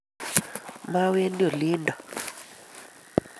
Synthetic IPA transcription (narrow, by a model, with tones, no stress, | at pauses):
ma˦we˦ndi˦o˨li˦nda˨